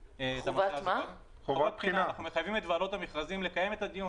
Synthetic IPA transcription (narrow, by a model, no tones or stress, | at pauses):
eamvama | ovat̪̚pχiinaanaχnumeχajvime̞t̪valo̞t̪amiχlazimle̞kaje̞met̪ad̪iju